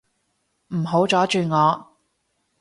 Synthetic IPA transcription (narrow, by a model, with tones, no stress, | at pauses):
m̩˨˩ɦo˨˥wt͡sɔː˨˥t͡ʃyː˨˧ŋɔː˨˧